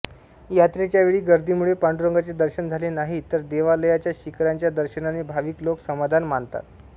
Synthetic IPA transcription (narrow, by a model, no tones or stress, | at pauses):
jat̪ɾet͡ɕjaʋeɭiːɡəɾd̪ʱiːmuɭepaɳɖɾoŋɡat͡sed̪əɾɕənd͡zʱalenaɦit̪əɾd̪eʋaləjat͡ɕjaɕikɾaɲt͡ɕjad̪əɾɕənanebʱaʋiːkloksəmad̪ʱanmaɳt̪a̰t̪̚